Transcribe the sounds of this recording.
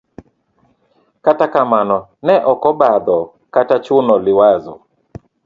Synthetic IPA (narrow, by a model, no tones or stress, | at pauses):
katakamanɔnɛʔɔkɔbad̪ɔ | katat͡ʃʊnɔliwazɔ